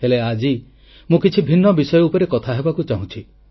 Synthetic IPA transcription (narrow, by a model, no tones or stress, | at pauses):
ɦelead͡ʒi | mũkit͡ʃʰibʱinːɔbisɔjɔupɔɾekɔt̪ʰaɦebakut͡ʃaɦũt͡ʃʰi